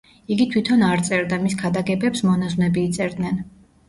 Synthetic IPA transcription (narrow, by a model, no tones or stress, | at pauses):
iɡit̪ʰwit̪ʰɔnaɾt̪sʼɛɾd̪amiskʰad̪aɡɛbɛpsmɔnaznɛbiːt̪sʼɛɾd̪nɛn